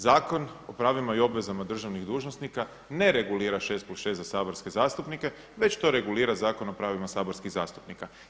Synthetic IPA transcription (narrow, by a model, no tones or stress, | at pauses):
zaːko̞no̞pɾaːʋimaio̞bʋe̞zamad̪r̩ʒaʋniɣd̪uːʒnosnika | ne̞ɾe̞ɡuliːɾaʃest̪̚plusʃest̪zasaːbo̞ɾske̞zaːst̪upnike̞ | ʋe̞t͡ɕt̪o̞ɾe̞ɡuliːɾazaːko̞no̞pɾaːʋimasaːbo̞ɾskiɣza̰ːst̪u̥pnika